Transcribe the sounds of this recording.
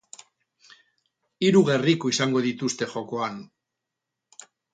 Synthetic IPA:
iɾuɣe̞rikoisaŋɡo̞ð̞it̪ust̪e̞xo̞ko̞an

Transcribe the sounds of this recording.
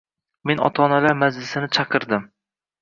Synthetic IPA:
me̞nɒ̰t̪ʰɒnalaɾmazlɪsɪnɪt͡ʃʰɑqʰɨɾd̪ɪm

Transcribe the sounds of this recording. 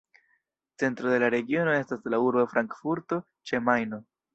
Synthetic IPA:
t͡se̞ntɾo̞d̪e̞laɾe̞ɡio̞no̞e̞staslauɾbofɾʔaŋkfuɾto̞ | t͡ʃe̞majno̞

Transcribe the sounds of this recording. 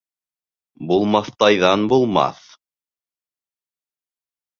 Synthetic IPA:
bulˠmɑθt̪ɑjðɑnbulˠmɑ̰θ

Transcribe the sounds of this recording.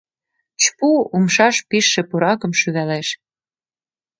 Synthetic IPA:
t͡ɕpuumʃɑʃpiʃːĕpuɾɑkə̆mʃyɣæleʃ

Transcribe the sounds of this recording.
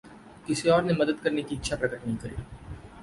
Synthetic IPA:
kɪsiɔːɾnemɐd̪əd̪kɐɾnekiɪtːʃʰapɾɐkəʈnɐɦĩkɐɾḭː

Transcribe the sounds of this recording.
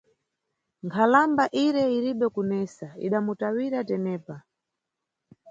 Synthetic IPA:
ŋkʰalambaʔiɾɛiɾiɓɛkunɛsaḭɗamutawiɾatɛnɛːpa

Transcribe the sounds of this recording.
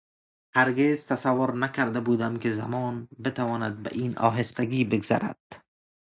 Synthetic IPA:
haɾɡezt̪ʰasavːoɾnakaɾd̪abuːd̪amkɪzamɒːnbet̪ʰavɒːnad̪̚ba̰ʔiːnɒ̰ːɦɪst̪aɡiːbeɡz̥a̰ɾa̰d̪̥

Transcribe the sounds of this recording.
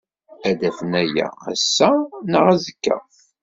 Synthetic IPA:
æd̪æfənæjæ̰æsːænəʁæzəkːə̰ʁ

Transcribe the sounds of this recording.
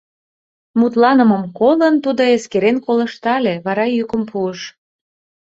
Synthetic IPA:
mut̪lɑnə̆məmkolənt̪ud̪oeskeɾenkoləʃt̪ɑleβɑɾɑjykəmpʰuəʃ

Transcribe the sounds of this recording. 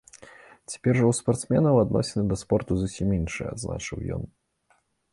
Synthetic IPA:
t͡sʲḁpʲɛrʐɐwspart̪smʲɛnɐwad̪nɔ̰sʲɪnɨd̪ɐspɔrt̪uzusʲiminʂɨ̰jɛa̰d̪zna̰t͡ʂɨwjɔ̰n

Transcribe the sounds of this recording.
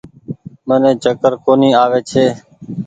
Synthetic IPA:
mənẽːd͡ʒʱəkəɾkoːniːaːʋeːt͡ʃʰeː

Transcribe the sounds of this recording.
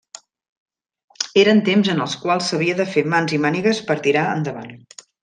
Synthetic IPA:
eɾənt̪emzənəlˠskwalˠsːəβ̞iəðəfemanzimaniɣəspəɾt̪iɾaə̰nd̪əβa̰n

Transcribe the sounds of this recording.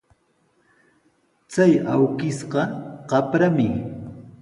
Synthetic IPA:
t͡sajawkɪsɢɑqɑpɾamɪ

